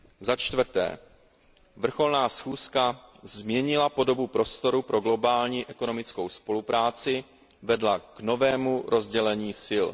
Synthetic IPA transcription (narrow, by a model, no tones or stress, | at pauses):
zat͡ʃt̪vr̩t̪ɛ̰ː | vr̩xo̞lnaːsxuːskazmɲɛɲɪlapo̞do̞bupɾost̪o̞ɾupɾʔo̞ɡlo̞baːlɲiːʔɛko̞no̞mɪt͡sko̞wspo̞lupɾaːt͡sɪ | vɛdlakno̞vɛːmuɾʔo̞zɟɛlɛɲiːsɪl